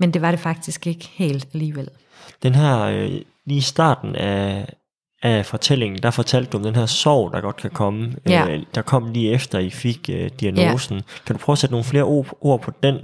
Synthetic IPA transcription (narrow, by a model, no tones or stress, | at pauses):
mend̥e̝ʋɑ̈ɾ̥e̝fɑ̈ɡ̥̚d̥isɡ̥e̝ɡ̥əhe̝̰ːld̥æliːʋel̰ | d̥enɦæɐ̰ø | liːisd̥ɑ̰̈ːd̥n̩æ | fɒ̽t͡sʰel̰e̝ŋn̩d̥ɑ̈fɒ̽t͡sʰæl̰d̥d̥uɒ̽md̥enɦæɐsɒʊ̰d̥ɑ̈ɡ̥ɒ̽d̥kʰækʰɒ̽məød̥ɑ̈kʰɒ̽m̰liːefd̥ɐifiɡ̥ød̥iæno̝ːsn̩kʰæd̥u̥pʰʁɒːʊsed̥əno̝ːn̩fle̝ːɐʔoʔo̝ɐ̰pʰɒ̽d̥en̰